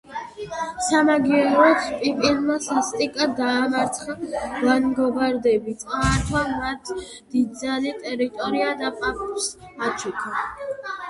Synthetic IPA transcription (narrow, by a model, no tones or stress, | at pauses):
samaɡiɛɾɔt̪sʰpʼipʼinmasast̪ʼikʼad̪aːmaɾt̪sʰχavanɡɔbaɾd̪ɛbit̪sʼaːɾt̪ʰwamat̪ʰ | d̪̥id̪zanit̪ʼɛɾit̪ʼɔɾiad̪apʼak̚t̪ʼus | at͡ʃʰukʰa